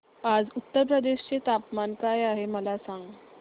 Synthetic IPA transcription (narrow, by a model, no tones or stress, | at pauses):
ad͡zut̪ːəɾp̬ɾəd̪eɕt͡set̪apmankajaɦeməlasãŋɡ